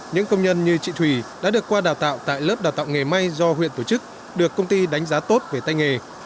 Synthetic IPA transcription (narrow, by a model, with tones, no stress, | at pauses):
ɲɨ̰˧˥ŋkə˧wŋ͡mɲə˧nɲɨ˧t͡ɕḭ˧˨t̪ʰwi˧˩ɗa̰ː˧˥ɗɨ˨˩əkːwaː˧ɗaː˨˩wt̪a̰ː˧˨wt̪a̰ː˧˨jləː˦˥p̚aː˨˩wt̪a̰ː˧˨wŋe˨˩ma˧jzɔ˧hwḭ˧˨ət̪o˧˩t͡ɕɨ˦˥k̚ | ɗɨ˨˩əkːə˧wŋ͡mt̪i˧ɗa˨˦jŋ̟zaː˨˦t̪o˦˥t̚ve˧˩t̪a˧jŋe˨˩